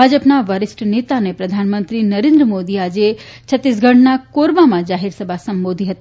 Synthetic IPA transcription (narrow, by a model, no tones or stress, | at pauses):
ad͡ʒəpnaʋəɾɪsʈnet̪anepɾəd̪ʱanmənt̪ɾinəɾẽnd̪ɾəmod̪iad͡ʒet͡ʃʰət̪ːis̬ɡʱəɳʈnakoɾbamãd͡ʒaɦiɾsəbʱasəmbod̪ʱiɦət̪i